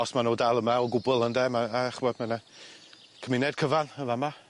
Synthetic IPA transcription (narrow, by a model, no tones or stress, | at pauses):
ɔsmanoːdalˠəmaɔɡʊbʊlˠəndɛmaaχbɔdmana | kʰəmɪnɛd̥̚kʰəvanəvama